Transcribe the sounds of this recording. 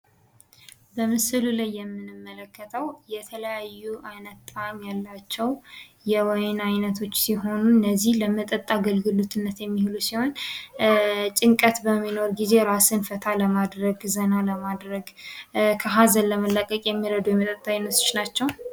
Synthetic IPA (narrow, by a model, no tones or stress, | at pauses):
bəmɨsɨlulajːɛmːɨnɨmːələkːət̪ʰəwjɛt̪ʰələjajːuʔanət̪ʼːamjalːat͡ʃːɛwjɛwɔjnajnət̪ʰo̞t͡ʃːsiɦo̞nunːəzːihləmət̪ʼət̪ʼːaɡəlɡɨlot̪ʰɨnːət̪jɛmːihɨlusiho̞n | t͡ʃʼɪŋkʼət̪bəmːino̞ɾɡize̞ɾasɨnfət̪ʰaləmad̪ɾəɡzənaləmad̪ɾəɡkʰəɦazəlləməlːəkʼəkʼjɛmːiɾəd̪ujɛmət̪ʼət̪ʼːaajnːət̪ɨ̥t͡ʃnat͡ʃːɛw